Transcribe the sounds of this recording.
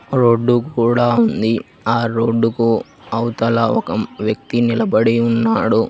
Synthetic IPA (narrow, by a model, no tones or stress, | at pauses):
ɾo̞ːɖːukuːɽaːund̪i | aːɾoːɖːuku | ɐwt̪ɐlɐɔkɐʋjɐk̚t̪inilɐbɐɽiunːaːɽu